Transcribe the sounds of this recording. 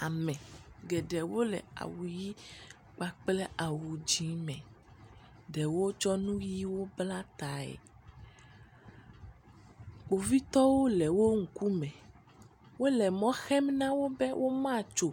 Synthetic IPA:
a˨mɛ̃˨ɡɛ˨ɖɛ˨wo˦lɛ̰˨a̰˨wu˨ji˦ | k͡pa˨k͡plɛ˦a˨wu˨d͡ʒĩ˦mɛ̃˨ | ɖɛ˨wo˦d͡ʒɔ˦nũ˦ji˦wo˦bla˦t̪a˨ɛ̰˨ | k͡po˨vi˦t̪ɔ˦wo˦lɛ˨wo˦ŋ̩˨ku˦mɛ̃˨ | wo˦lɛ˨mɔ̃˦xɛ˦mnã˦wo˦bɛ˦wʔo˦mã˦t͡ʃo˨

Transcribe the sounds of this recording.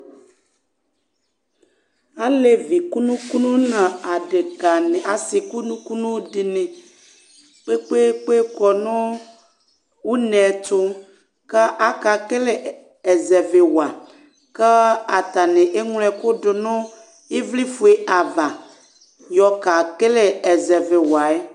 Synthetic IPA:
a˦le˨vi˨ku˦nũ˦ku˦nũ˦nã˨a˨ɖe˨ɡa˨ne˨a˨si˨ku˦nũ˦ku˦nũ˦ɖi˨nẽ˨ | k͡pe˦k͡pe˦k͡pe˦kɔ˨nɔ̃˦ | wu˦nɛ̃˨t͡ʃo˦ | ke˦ʔa˦ka˨ke˦le˦ | e˨zɛ˨ve˨wa˨ | ke˦a˨t̪a˨nẽ˨ʔe˦ŋ˦lɛ˨ko˦ɖʊ˨nʊ̃˦ | e˦vli˦fu˨e˦ʔa˨va˨ | jɔ˨ka˨ke˦le˦ɛ˨zɛ˨ve˨wa˨e˦

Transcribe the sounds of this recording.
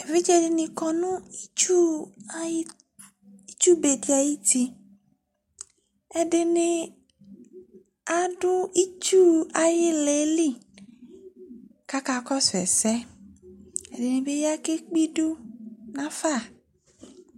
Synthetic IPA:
e˨vi˦t͡ʃɛ˦dɪ˧nĩ˧kɔ̃˨nũ˦u˦ | i˦t͡ʃu˦be˨di˨˦a˨ji˦ti˧ | ɛ˨dɪ˧nɪ̃˧ | a˨dʊ˦i˦t͡ʃu˦a˨jɪ˦le˨˦li˦˨ | ka˦ka˧kɔ˦sɛ̰˨sɛ˦ | ɛ˨de˨nɪ̃˨be˦ja˦ke˦k͡pi˦du˦nã˨˦fa˦˨

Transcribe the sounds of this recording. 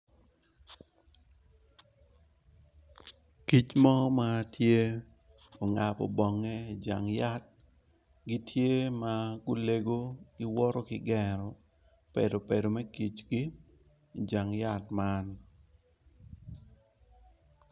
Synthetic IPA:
ki˦t͡ʃmɔ˦ma˦tje˦ | o˨ŋa˨pɔ̰˨bɔ˨ŋɛ˦i˨d͡ʒa̰˨ŋja˦t̚ | ɡi˦tje˦ma˦ɡʊ˦le˦ɡo˦ɡɪ˦wɔ˦ɾɔ˦kɪɡɛ˨ɾɔ˨ | pḛ˨do˨pe˨do˨mɛ˦ki˨t͡ʃɡi˦ | i˨d͡ʒa˨ŋja˦˨tma˦n

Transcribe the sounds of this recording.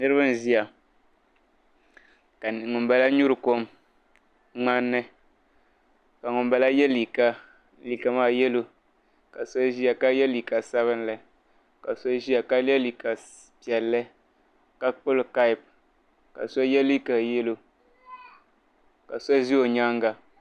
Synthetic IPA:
nɨ˦ɾɨ˦bɨ˦n˦˨zi˦ja˨ | ka˨ŋʊ˨ba˦la˦ɲu˦ɾɨ˨ko˦m | ŋ͡ma˦nːɨ˦ | ka˨ŋʊ˨mba˦la˦jɛ˦li˨ka˦ | li˨ka˨maː˦˨jɛ˦lo˦ | ka˨sa˦ʒi˦a˨ka˦jɛ˦li˨ka˨sa˦βɨ˦n˦lɨ˨ | ka˨sa˦ʒi˦a˨ka˦lɛ˦li˨ka˨ | pi˨ɛ˨lːɨ˦ | ka˦k͡pʊ˦lka˦i˨p̚ | ka̰˨sa˦jɛ˦li˦ka˨jɛ˦lo˨ | ka˨sa˦ʒi˦o˨ɲa˦ŋɡa˨

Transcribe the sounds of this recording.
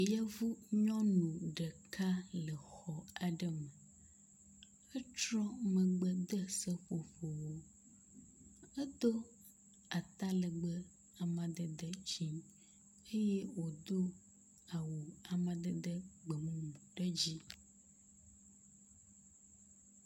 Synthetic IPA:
ja˦vu˦ɲɔ̃˦nũ˨ɖə˨kʰa˦lə˨xɔ˨a˨ɖə˦mə˨ | ə˦t͡ʃɾɔ̃˦mə˨ɡ͡bə˦d̪ə˦sə˦ɸo˨ɸo˨wo˦ | ə˦d̪o˦ | a˨t̪a˦lə˨ɡ͡bə˦ | a˨mã˨d̪ə˦d̪ə˦d͡ʑi˦ | e˦je˦wo˨d̪o˦ | a˨wu˨a˨mã˨d̪ə˦d̪ə˦ɡ͡bə˨mũ˦˨ɖə˦d͡ʑi˦

